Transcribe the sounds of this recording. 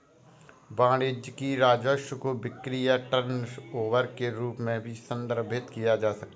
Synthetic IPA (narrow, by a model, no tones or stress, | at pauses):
bãːɽɪd͡ʒkiɾaːd͡ʒəʃkoʋɪkɾijaʈəɾnsoːʋəɾkeɾuːpmẽbʱisə̃nd̪əɾbʱɪt̪kijad͡ʒaːsɐk̚t̪a